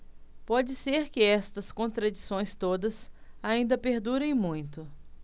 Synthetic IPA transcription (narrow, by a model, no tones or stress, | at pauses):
pɔd͡ʒɪseɾkɪɛst̪ɐskõnt̪ɾad͡ʒisõj̃st̪od̪ɐsaĩnd̪ɐpeɾd̪uɾẽj̃mũj̃t̪ʊ